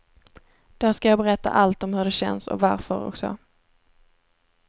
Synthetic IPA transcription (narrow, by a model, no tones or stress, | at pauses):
d̪̥askajɑːbɛɾɛt̪ːa̰ʔalt̪ɔmhɵɖɛɕɛnsɔ̰kvaɾfœɾɔ̰ksɔ̰